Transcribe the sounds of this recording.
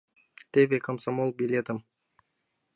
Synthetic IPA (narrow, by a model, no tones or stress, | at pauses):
t̪eβekɐmsamolˠbʲilʲet̪əm